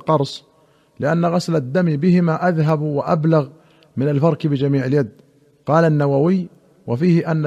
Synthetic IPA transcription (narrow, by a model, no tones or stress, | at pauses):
qɑɾˤsˤ | lɪʔanːaɣaslad̪ːamibɪhɪmaʔaðɦabwaʔa̰blaɣ | mɪnalfɑɾˤkbɪd͡ʒamiːʕɪljad̪ | qɑːlanːawawɪjː | wafiːhɪʔanːa